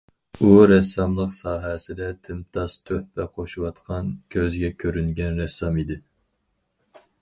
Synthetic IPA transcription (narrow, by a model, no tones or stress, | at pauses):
uɾɛsːɑmlˠəqsɑːɦɛsɪd̪ɛt̪ʰɪmt̪ʰɑst̪ʰøhpɛqʰoʃuwɑt̪qʰɑnkʲʰøzɡʲɛkʲʰøɾynɡʲɛnɾɛsːɑmid̪ɪ